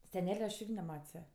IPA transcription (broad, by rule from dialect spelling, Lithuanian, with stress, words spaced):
sʲɛˈnʲæːlʲɛ ɐʃ ˈɪrʲɡʲɪ nʲɛˈmɐtʲsʲ ˈjɛ